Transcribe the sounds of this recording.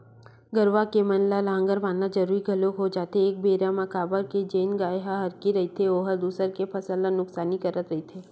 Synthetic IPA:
ɡəɾʋakemɐnlalãŋɡəɾʋaːnad͡ʒɐɾuːɾiɡʱɐlokɦod͡ʒaːt̪eeːk̚beːɾamɐkaːbəɾked͡ʒeːnɡaːeɦaɦɐɾkiɾɐit̪ʰeoːɦəɾd̪uːsəɾkepʰɐsəlːanʊksaːnikɐɾət̪ɾɐɦit̪ʰeː

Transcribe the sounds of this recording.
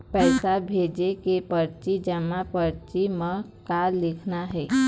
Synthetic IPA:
pɛɪsabʱed͡ʒekepəɾt͡ʃid͡ʒəmapəɾt͡ʃimə̃ | kalɪkʰnaɦɛ

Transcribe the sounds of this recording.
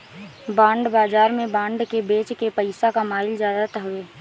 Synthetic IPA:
bãːɳɖbaːd͡ʒaːɾmẽbãːɳɖkebeːt͡ʃkepəɪsakamaːɪlzjaːd̪at̪əɦʊeː

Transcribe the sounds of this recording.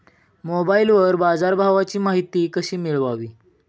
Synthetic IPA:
mobailʋəɾbad͡zaɾbʱaʋat͡ɕiːmaɦit̪iːkəɕiːmiɭʋaʋiː

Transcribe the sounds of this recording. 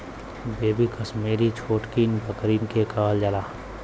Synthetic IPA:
beːbikəsmeːɾit͡ʃʰoːʈkiːnpəkɾiːnkekaːld͡ʒalaː

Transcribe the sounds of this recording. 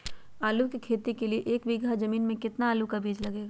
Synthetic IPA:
aːlukikʰeːt̪ikelieʔeːkbiɡazɐmiːnmẽkɪt̪naːlukabʱiːd͡ʒlɐɡeːɡaː

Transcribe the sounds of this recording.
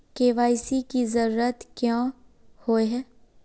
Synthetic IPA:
keːʋaːsikizəɾuːɾət̪kjãhoeɦɛː

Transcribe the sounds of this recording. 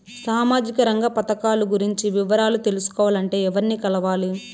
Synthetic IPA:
saːmaːd͡ʒikɐɾɐŋɡɐpɐt̪ɐkaːluɡuɾiɲt͡ʃiʋiʋɐɾaːlut̪e̞lusu̥kɔːʋaːlɐɳʈe̞ːɛʋɐɾniːkɐlɐʋaːli

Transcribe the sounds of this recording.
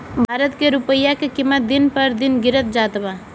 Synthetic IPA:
bʱaːɾət̪keɾupəjːakekimːət̪̚d̪inpəɾd̪inɡiɾət̪̚d͡ʒat̪ba

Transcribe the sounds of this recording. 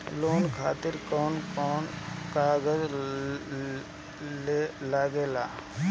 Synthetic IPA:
loːnkʰaːt̪ɪɾkɔːnkɔːnkaːɡəz | lelaːɡeːlaː

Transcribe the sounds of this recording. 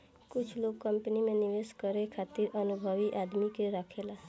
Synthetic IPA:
kʊt͡ʃʰloɡ̚kəmpnimeniʋeskəɾekʰat̪iɾənubʱəʋiʔad̪mikeɾəkʰela

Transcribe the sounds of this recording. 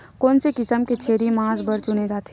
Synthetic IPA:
kɔːnsekɪsəmket͡ʃʰeːɾimãːzbəɾt͡ʃʊɽed͡ʒaːt̪ː

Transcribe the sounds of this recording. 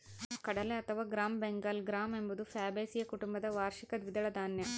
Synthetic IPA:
kɐɽɐleɐt̪ʰɐʋaːɡɾaːmbeŋɡɐlɡɾaːmembud̪ufʰaːbeːsijɐkuʈumbɐd̪ɐʋaːɾʃikɐd̪ʋid̪ɐɭɐd̪ʱaːnjɐ

